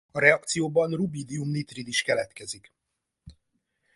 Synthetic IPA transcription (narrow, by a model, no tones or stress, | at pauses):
ɒɾɛɒk̚t̪sijoːbɒnrubiːd̪iumnit̪rid̪iʃkɛlɛt̪kɛzik